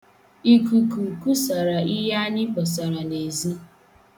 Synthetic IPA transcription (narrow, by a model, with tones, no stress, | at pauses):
i˦ku˨ku˨ku˦sa˨ɾa˨i˦ja˦ɲɪ˦k͡pɔ˨sa˨ɾa˨ne˨zi˦